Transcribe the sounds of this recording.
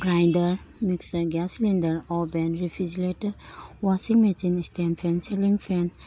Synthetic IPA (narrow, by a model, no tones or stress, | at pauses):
ɡɾajndɐɾmiksɐɡaslindɐɾɔbenɾifʰiziletəwasiŋmesinistenfʰenseliŋfʰen